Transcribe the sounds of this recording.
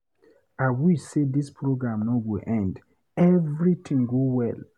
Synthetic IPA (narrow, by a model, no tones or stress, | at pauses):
awisedispʰɹoɡɹãmnɔwiʔɛ̃nd | ɛvɹit̪ʰĩŋɡowɛl